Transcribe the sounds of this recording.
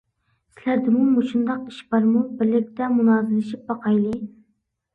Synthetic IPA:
sɪlæɾd̪ɪmumuʃund̪ɑqiʃbɑɾmubɪɾlɪk̚ʲt̪ɛmunɑːzɪlɪʃip̚bɑqɑjlˠɨ

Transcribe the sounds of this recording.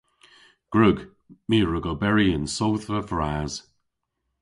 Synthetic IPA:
ɡ̥ɹʉɡ | miːɹəɡəbɛɹiɪnsowθvəvɹaːz̥

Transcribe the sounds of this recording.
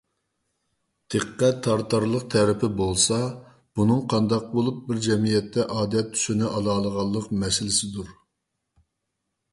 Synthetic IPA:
t̪ʰeqːɛt̪ʰːɑɾt̪ʰɑɾlˠəq̚t̪ʰɛɾɪpʰɪbolˠsɑ | b̥unɨŋqʰɑnd̪ɑq̚bolˠup̚bɪɾd͡ʒɛmijɛt̪ʰːɛʔɑːd̪ɛt̪ʰːy̥ʃynɪʔɑlˠɑːlˠəʁɑlˠːəqmɛsɪlɪsɪd̪uɾ

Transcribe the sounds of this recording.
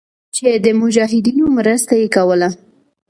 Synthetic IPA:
t͡ʃed̪əmʊd͡ʒɑɦɪd̪inomɾəst̪ajekawəla

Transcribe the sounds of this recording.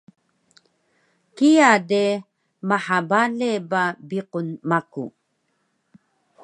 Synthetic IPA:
kiade | maħabalebabiqunmakṵ

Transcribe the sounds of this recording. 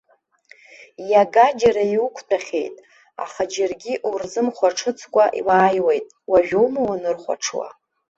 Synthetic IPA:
jaɡad͡ʒaɾaiukʷʰtʰaχʲe̞̰jtʼ | a̰χad͡ʒarɡʲiʔurzɨmχʷaʈ͡ʂʰɨt͡sʰkʷʼaʔḭlaːjwejtʼ | waʒᶣowmawanɨrχʷa̰ʈ͡ʂʰwa̰

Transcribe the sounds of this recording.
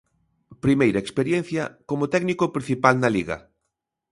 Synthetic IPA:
pɾimejɾɐekspeɾjɛn̟θjɐkomʊt̪ɛɡnikopɾĩn̟θipalnɐliɣɐ̰

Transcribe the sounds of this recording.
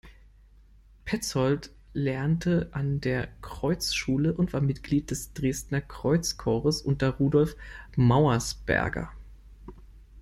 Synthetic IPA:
pʰɛt͡shɔlt | lɛɐntʰəʔandeːɐkʁ̥ɔʏt͡sʃuːləʔʊntv̥aːɐmɪtɡ̥liːt̚d̥ɛsd̥ʁeːstnɐkʁ̥ɔʏt͡skʰɔːʁəsʔʊntɐʁuːdɔlfmaʊɐsb̥ɛ̰ɐɡɐ̰

